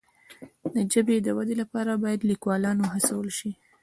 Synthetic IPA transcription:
d̪əd͡ʒəbed̪əwad̪elapɑɾabɑjad̪likwɑlɑnoɦasawəlʃi

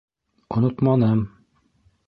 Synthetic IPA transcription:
ŏnot̪mɑnɤm

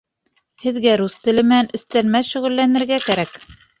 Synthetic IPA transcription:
hɘ̆ðɡæɾust̪ɘ̆lɘmɘ̆nænɵ̆θt̪ælmæθʃɵ̆ɣɘ̆lːænɘ̆ɾɡækæɾæk

